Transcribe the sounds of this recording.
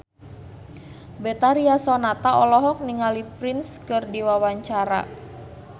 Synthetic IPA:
bɛt̪aɾiasɔnat̪aɔlɔɦɔk̚niŋalipɾɪnskɨrdiwawaɲt͡ʃaɾa̰

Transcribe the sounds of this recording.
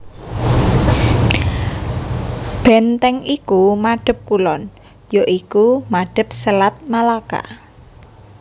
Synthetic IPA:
b̥ɛ̤nt̪ɛŋikumaɖ̥ə̤p̚kulɔn | joʔikumaɖ̥ə̤p̚səlat̪̚malaka̰

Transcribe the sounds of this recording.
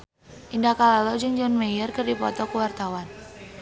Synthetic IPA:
ʔindakalalɔd͡ʒɨŋd͡ʒɔnmejərkɨrdipɔ̰t̪ɔkuwart̪awan

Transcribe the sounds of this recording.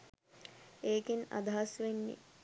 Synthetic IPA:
eːkina̰d̪aɦasʋenːḭ

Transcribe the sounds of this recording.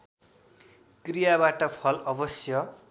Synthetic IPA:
krijabaʈʌpʰʌlʌbʌsjʌ

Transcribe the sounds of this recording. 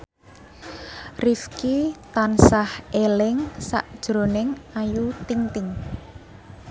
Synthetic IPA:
rifkit̪ansahʔelɪŋsa̰ʔd̥ʒ̥ɾo̤nɪŋajut̪iŋt̪ɪŋ

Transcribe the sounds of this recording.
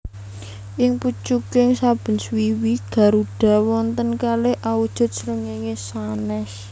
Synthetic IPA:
ʔɪŋput͡ʃukɪŋsab̥ə̤nswiwiɡ̥ä̤ɾuɖ̥a̤wɔnt̪ənkaleʔawud̥ʒ̥ʊ̤t̪̚sɾəŋeŋesanɛs

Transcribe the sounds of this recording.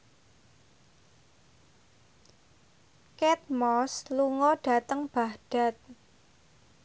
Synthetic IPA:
kɛt̪̚mɔsluŋɔɖ̥a̤t̪əŋb̥ahɖ̥a̤t̪̚

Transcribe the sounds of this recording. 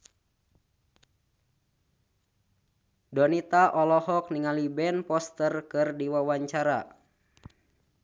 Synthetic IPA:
dɔnit̪aʔɔlɔhɔk̚niŋalibɛnpɔst̪ərkɨrdiwawaɲt͡ʃaɾa̰

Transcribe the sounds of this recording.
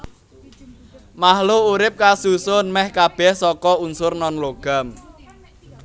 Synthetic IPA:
maɦluuɾɪp̚kasusʊnmɛhkab̥ɛhsɔkɔunsʊrnɔnloɡ̥a̤m

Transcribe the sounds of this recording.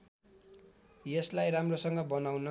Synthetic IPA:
jeslajramrosʌŋɡʌbʌnawnʌ

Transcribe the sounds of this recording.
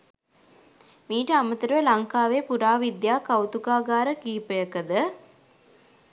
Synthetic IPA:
miːʈəamət̪əɾuʋəlɐŋkaːʋeːpuɾaːʋid̪jaːkawt̪ukaːɡaːɾəkiːpəjəkəd̪ə

